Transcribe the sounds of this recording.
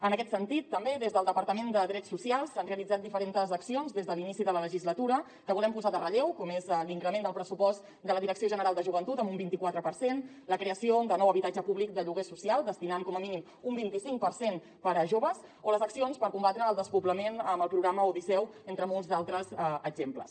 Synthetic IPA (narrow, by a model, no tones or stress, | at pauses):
ənəkɛt̪sənt̪it̪ːəmbeðezðəlˠd̪əpəɾt̪əmend̪əðɾɛsːusialˠsanreəlid͡zat̪̚d̪ifəɾent̪əzəksionzðezðəlinisiðələləʒizlət̪uɾə | kəβulɛmpuzaðərəʎewkɔmezliŋkɾəmend̪əlˠpɾəsupɔst̪ | d̪ələðiɾəksioʒənəɾalˠd̪əʒuβənt̪ut̪əmbumbint̪ikwat̪ɾəpəɾsen | ləkɾeəsiod̪ənɔwəβit̪ad͡ʒəpuβlik̚d̪əʎuɣesusialˠd̪əst̪inankɔməminim | umbint̪isiŋk̚pəɾsen | pəɾəʒoβəzoləzəksionspəɾkumbat̪ɾəːlˠd̪əspuβləmenəməlˠpɾuɣɾaməuðisɛwent̪ɾəmolˠzalˠt̪ɾəzəɡʒemplə̰s